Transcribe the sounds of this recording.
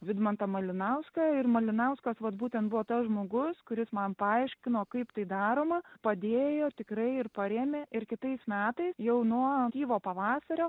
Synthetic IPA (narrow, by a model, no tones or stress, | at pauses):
ʋʲɪd̪mɐnt̪ɐmɐlʲɪnɐʊskɑːɪrmɐlʲɪnɐʊskɐsʋɐt̪̚buːt̪ʲɛnt̪̚bʊʋoːt̪ɐsʒmoːɡʊskʊɾʲɪsmɐnpɐɐɪʃʲkʲɪnoːkɐɪpt̪ɐɪd̪ɑːɾoːmɐpɐd̪ʲeːjoːt̪ʲɪkɾɐɪɪrpɐɾʲeːmʲeʔɪɾkʲɪt̪ɐɪsmʲæːt̪ɐɪsjɛʊnuɔt̪ʲiːʋoːpɐʋɑːsɐɾʲoː